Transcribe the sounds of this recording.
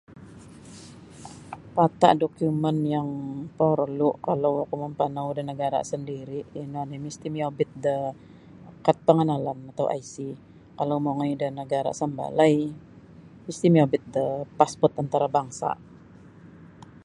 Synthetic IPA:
pat̪a̰ʔdokumənjaŋpəɾlʊʔkalawkuməmpanawdənəɡaɾa̰səndiɾiʔinuadəmist̪imiabɪt̪̚də | kat̪̚pəŋənalanat̪awʔajsi | kalawmoŋajdənəɡaɾa̰səmba̰laj | mist̪imiabɪt̪̚dəpaspɔrt̪ant̪aɾabaŋsa̰

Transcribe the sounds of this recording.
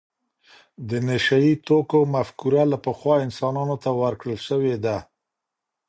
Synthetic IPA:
d̪ənɪʃait̪okomafkuɾalapəxwɑɪnsɑnɑnot̪awəɾkɽəlʃəwed̪a

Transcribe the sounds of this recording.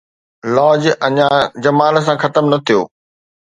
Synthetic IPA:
lɔːd͡ʑɐɲãd͡ʑɐmaːl̆s̬ãxɐt̪əmnɐt̪ʰijoː

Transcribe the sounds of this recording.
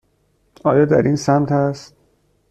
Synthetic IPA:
ɒːjɒːd̪æ̰ɾiːnsæmt̪ʰæst̪̚

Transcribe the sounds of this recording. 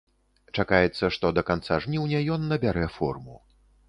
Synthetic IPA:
t͡ʂakajɛt̪sːɐʂt̪ɔd̪ɐkant̪saʐnʲiwnʲɛjɔnːɐbʲaɾɛfɔ̰rmu

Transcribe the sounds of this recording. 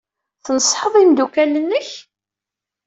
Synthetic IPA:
θənəsˤħəðˤimd̪ukælənːəç

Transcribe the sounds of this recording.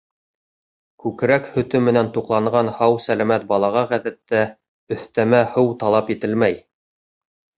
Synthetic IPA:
kʉkɾækhɵ̆t̪ɵmɘ̆nænt̪uqlˠɑɴɢɑnhɑwsælæmæt̪̚bɑlˠɑʁɑʁæðæt̪ːæ | ɵ̆θt̪æmæhɤwt̪ɑlˠɑpit̪ɘlmæj

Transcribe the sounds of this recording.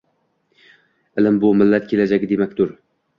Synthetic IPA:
ɪlɪmbʊmɪlːat̪̚kʲʰe̞lad͡ʒaɡʲɪd̪emakʲt̪ʊɾ

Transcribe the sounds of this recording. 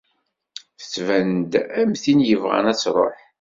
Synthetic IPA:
θət͡sːvænd̪æmθinjəvʁæ̰næt͡sːɾˤo̰ħ

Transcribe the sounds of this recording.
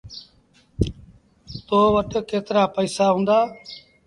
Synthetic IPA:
t̪oːʋəʈkeːt̪ɾaːpəiːsaːɦʊ̃ːnd̪aː

